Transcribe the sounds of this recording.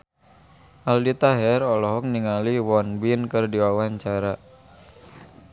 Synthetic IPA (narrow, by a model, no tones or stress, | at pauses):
ʔaldit̪aɦɛrɔlɔɦɔk̚niŋaliwɔnbinkɨrdiwawaɲt͡ʃaɾa